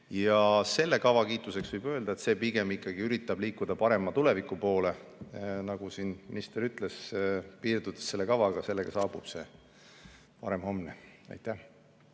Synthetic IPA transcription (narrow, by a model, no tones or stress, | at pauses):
jɑse̞lːe̞kɑvɑkiːt̪ˑuse̞ksvɯjbø̞ːld̪ɑe̞t̪se̞piɡ̥e̞mikːˑɑɡ̥iyɾit̪ˑːɑb̥liːkːˑud̪ɑpɑɾe̞mɑt̪ule̞vikˑːupo̞ːle̞nɑɡ̥usinmiist̪eɾyt̪ːˑlespiːrd̪̥ud̪̥e̥sːe̞lːe̞kɑvɑɡ̥ɑse̞lːeɡ̥ɑsɑːb̥ub̥se̞ | pɑɾemho̞mneɑ̰jt̪ːˑæh